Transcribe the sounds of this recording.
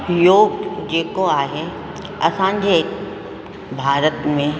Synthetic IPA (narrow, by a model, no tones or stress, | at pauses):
joːɡd͡ʑeːkoaːɦe | ɐsãːɲd͡ʑe | bʱaːɾət̪mẽ